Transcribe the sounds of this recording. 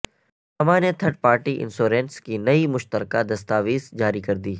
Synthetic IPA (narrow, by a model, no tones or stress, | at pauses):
hɐmãnet̪ʰɐɾʈ̚paːɾʈiʔɪ̰nsoːɾẽːnskinɐimʊʃt̪əɾkad̪ɐst̪aːʋiːzd͡ʒaːɾikɐɾd̪iː